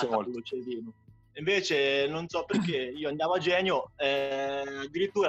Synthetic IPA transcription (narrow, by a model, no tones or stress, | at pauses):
lot͡ʃeviːno | iɱveːt͡ʃenonsɔpːerkeiːoand̪jaːvoad͡ʒɛːnjoɛad̪ːiɾit̪ːuːɾ